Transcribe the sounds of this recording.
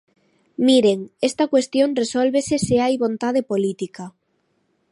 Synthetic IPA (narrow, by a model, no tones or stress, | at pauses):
miɾeŋest̪akwest̪joŋresolβeseseajβont̪að̞epolit̪ika